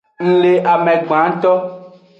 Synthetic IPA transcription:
ŋ̩̃˦le˦ʔa˨mɛ̃˨ɡ͡bã˨˦ŋ˦t̪ɔ˦

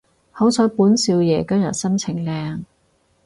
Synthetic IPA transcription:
hɐ˨˥wsɔː˨˥jpuː˨˥nsiː˧wjɛː˨˩kɐ˥mjɐ̰˨t̚sɐ˥mt͡sʰɪ˨˩ŋlɛː˧ŋ

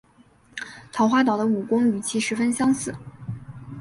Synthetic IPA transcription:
t̪ʰɑ˧˥ʊxwa˥t̪̬ɑ˨˩ʊə˦u˨˩kʊ˥ŋy˨˩t͡ɕʰi˧˥ʂɻ̩˧˥fə˥nɕjɑ˥ŋsɹ̩˨˩˦

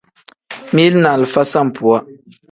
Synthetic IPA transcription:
mi˦lna˨lfa˦sa˦˨m̩˨pu˨a˦

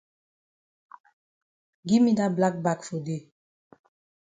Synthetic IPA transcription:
ɡi˦mi˦da˦bla˦k̚ba˦˨kfo˨de˦˨

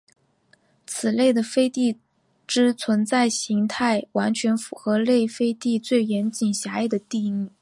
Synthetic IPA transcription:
t͡sʰɹ̩˨˩le˥˩ɪd̪ə˩fe˥ɪt̪i˥˩˧ | ʈ͡ʂɻ̩˥t͡sʰwə˧˥nt͡sa˥˩ɪɕi˧˥ŋt̪ʰa˥˩ɪwa˧˥nt͡ɕʰɥɛ˧˥nfu˧˥xɤ˧˥le˥˩ɪfe˥ɪt̪i˥˧t͡swe˥˩ɪjɛ˧˥nt͡ɕi˨˩ŋɕja˧˥e˥˩d̪ə˩t̪i˥˧ny˥˩

